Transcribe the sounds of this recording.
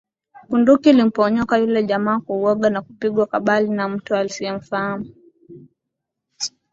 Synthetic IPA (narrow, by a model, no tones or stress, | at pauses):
kundukilim̩pɔɲɔkajulɛʄamaːkuwɔɠanakupiɠwakaɓalinam̩tualisiɛm̩fahamu